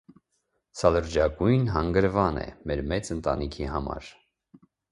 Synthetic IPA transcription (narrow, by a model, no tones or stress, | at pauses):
sʰɑləɾd͡ʒɑɡujnɦɑŋɡəɾvɑnɛ̰mɛɾmɛt͡sənt̪ɑnikʰiɦɑmɑ̰ɾ